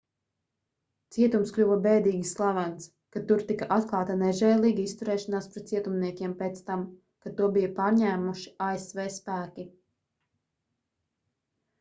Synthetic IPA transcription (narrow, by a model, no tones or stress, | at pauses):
t̪siɛt̪umsklʲuvɐbɛːd̪iːɡʲislˠavænt̪s | kat̪uɾt̪ikaʔat̪klˠɑːt̪anɛʒɛjlˠiːɡʲiist̪uɾɛːʃanaːspɾɛt̪siɛt̪umniɛkʲiɛmpeːt̪st̪am | kat̪uɔbijɐpaːɾɲæːmuʃi̥aesvɛːspæːkʲi